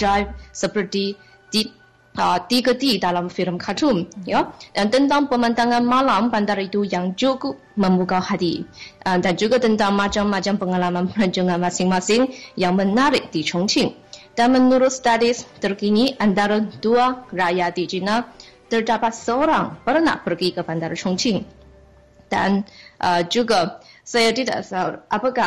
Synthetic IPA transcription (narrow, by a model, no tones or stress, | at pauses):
d͡ʒajp̚səpərt̪i | t̪i | ət̪ikət̪idalamfiləmkʰatʊmjadant̪ənt̪aŋpəmant̪aŋanmalampant̪aɾit̪ujaŋd͡ʒukʊp̚məmbukahat̪iʔdand͡ʒuɡat̪ənt̪aŋmat͡ʃamːat͡ʃampəŋalamanpəɾaɲd͡ʒuŋanmasɪŋmasɪŋjaŋmənaɾɪk̚dit͡ʃɔŋt͡ʃɪŋ | d̥anmənuɾʊt̪st̪adɪst̪ərkiniʔant̪aɾəduarajadid͡ʒinalt̪ərdapat̪̚səoɾaŋpərna̰ʔpərɡikəband̪aɾt͡ʃɔŋt͡ʃɪŋ | da̰nʔəd͡ʒuɡasajat̪ida̰ʔsaʔapaka